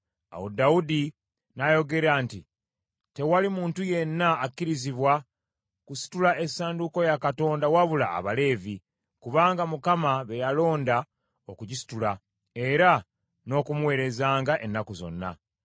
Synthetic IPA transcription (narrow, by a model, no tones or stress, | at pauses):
a̰wodaudi | najo̞ɡe̞ɾaːnti | te̞walimuːntuje̞nːaːkːiɾiziβwa | kusi̥tulae̞saːnduko̞jakato̞ːndawaβula̰ːβale̞ːvi | kuβaːŋɡamukamaβe̞jalo̞ːnda | o̞kuɟisi̥tula | e̞ɾa | no̞kumuwe̞ːɾe̞zaːŋɡaʔe̞nːakuzo̞̰nːa̰